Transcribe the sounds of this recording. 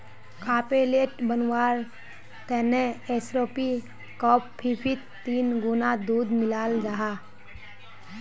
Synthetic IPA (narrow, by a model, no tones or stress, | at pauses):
kʰaːpeleːʈbənwaːɾ | t̪ɛːneeːsɾoːpi | kɔːpbipʰit̪t̪ːiːnɡʊnad̪uːd̪mɪlaːld͡ʒaːɦaː